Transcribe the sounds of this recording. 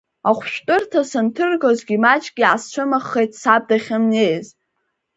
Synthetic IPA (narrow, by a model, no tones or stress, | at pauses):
aχʷʃᶣtʼɨrtʰasɨntʰɨrɡozɡʲimat͡ʃʼɡʲiʕast͡ʃʷʰɨmaχːejtʼsab̚daχʲɨmnejz